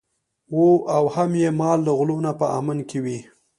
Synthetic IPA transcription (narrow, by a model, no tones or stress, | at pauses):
woʔawhamjemɑld̪əɣlonapəa̰mankewi